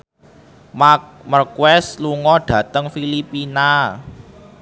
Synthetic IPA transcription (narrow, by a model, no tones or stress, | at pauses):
mamərkwɛsluŋɔɖ̥ä̤t̪əŋfilipina